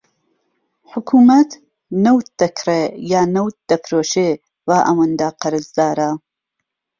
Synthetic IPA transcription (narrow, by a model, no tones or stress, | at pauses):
ħʊkʰuːmɐt̪ | nɐwt̪̚d̪ɐkʰɾejaːnɐwt̪̚d̪̥ɐpʰɾoːʃe | vaːʔɐwənd̪aqʰɐɾɨzd̪aːɾa